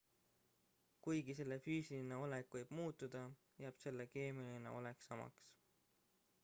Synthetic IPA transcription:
kujɡise̞lːe̞fyːsiline̞o̞lekvɯjb̥muːt̪ːˑud̪̥ɑ | jæːb̥se̞lːeke̞ːmilinḛo̞̰leksɑmɑ̰ks

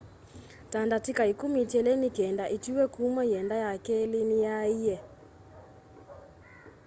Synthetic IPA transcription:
tandatikaikumitɛlenikɛndaʔitiwɛkumɛiɛndajakɛlinijaijɛ

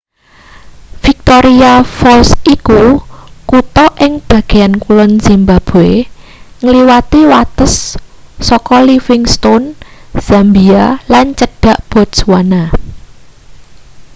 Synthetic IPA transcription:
fik̚t̪oɾiafɔlsikukut̪ɔʔɪŋb̥ä̤ɡ̥e̤ankulɔnz̥imbab̥oe | ŋəliwat̪iwat̪əsː | ɔkɔlifɪŋst̪onz̥ambialant͡ʃəɖ̥a̤ʔb̥ɔ̤t̪swana

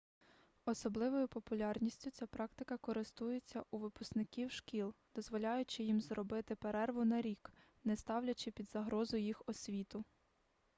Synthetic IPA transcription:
ɔsɔblˠɪʋɔjʊpɔpʊlʲɑrnʲisʲtʲʊt͡sʲapɾɑk̚t̪ɪkɐkɔɾɪst̪ujet͡sʲːɐʔuʋɪpʊsknɪkʲiwʃkʲilˠd̪ɔzʋɔlʲɑjʊt͡ʃɪjimzɾɔbɪt̪ɪpeɾɛrʋʊnɐɾʲik | nɛst̪ɑwlʲɐt͡ʃɪpʲid̪zɐɦɾɔzʊjjixɔsʲʋʲit̪ʊ

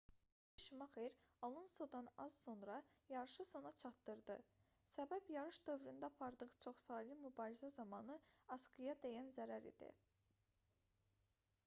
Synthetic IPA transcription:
ʃumɑχejɾɑlˠunsod̪ɑnɑ̰z̥sonɾɑjɑɾɯʃɯso̞nɑt͡ʃʰɑt̪ːɯɾd̪ɯ | sæbæbjɑɾɯʃd̪ø̞vɾynd̪æɑpʰɑɾd̪ɯʁt͡ʃʰo̞χsɑːlimybɑːɾizæzɑmɑnɯɑsɡɯjɑd̪ejænzæɾæɾḭd̪ḭ

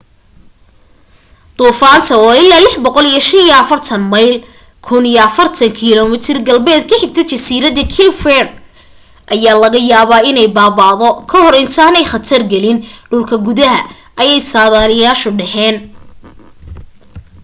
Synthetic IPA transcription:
d̪̥uːfaːnt̪ʰɐɑːɪlːaːlɪħbɔqɔlijɔʃɐnijɔɐfɐrt̪ʰɐnmɐjl | kʰʊnijɐɐfɐrt̪ʰɐŋkʰilɔmɪt̪ʰɪrɡɐlbɛːd̪̚kʰɐħɪɡ̚t̪ʰɛt͡ʃɐsiːɾɐðɐkʰifɛr | ʔɐjaːlɐɣɐjaːβaːɪnɛjbaːβaːðɔkʰɐhɔɾɪnt̪ʰaːnɛjχɐt̪ʰɐrɡɛlɪnɖʊlkʰɐɡʊðɐɦɐ | ʔɐjɛjsaːðaːlɪjaːʃɔɖɛhɛːn

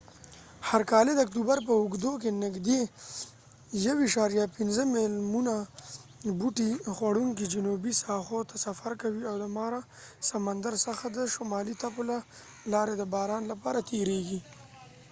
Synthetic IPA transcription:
haɾkɑled̪əak̚t̪ubaɾpəʊɡd̪okenɪɡd̪e | jawiʃɑɾjɑpɪnzəmɪlmuna | buʈixwaɽuŋkid͡ʒʊnubisɑxot̪ʰasafaɾkawiawd̪əmɑɾa | samand̪aɾsəxad̪əʃomɑlit̪apola | lɑɾed̪əbɑːɾɑːnlapɑːɾat̪ʰeɾeɡi

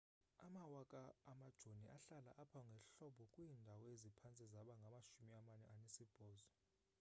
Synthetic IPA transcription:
amawakʼaːmad̥ʒ̥ʱoniʔaɬala̰ʔapʰaŋɡʱɛɬɔɓɔkʼwiːndʱawɔezipʰant͡sʼizaɓaŋɡʱamaʃumiamanɛ̰ʔanesib̥ʱɔːzɔ

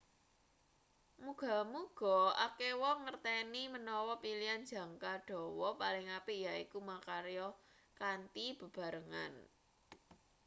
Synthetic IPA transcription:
muɡ̥a̤muɡ̥ɔ̤akewɔŋərt̪ɛnimənɔwɔpiliand̥d͡ʒä̤ŋkaɖ̥ɔ̤wɔpalɪŋapijaikumakaɾjɔ | kant̪ib̥ə̤b̥a̤ɾəŋa̰n

